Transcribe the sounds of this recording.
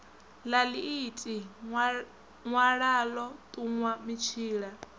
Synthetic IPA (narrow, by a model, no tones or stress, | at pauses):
laliitʼi | ŋwaɺalɔt̪ʼuŋwamit͡ʃʰiːɺa